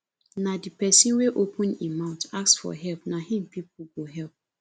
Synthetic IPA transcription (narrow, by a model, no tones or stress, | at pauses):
nadipɛsĩnweʔopʰũnimãʊ̃ntaksfɔ̰ɦɛlpnahĩmpip̚uɡoɦɛlp̚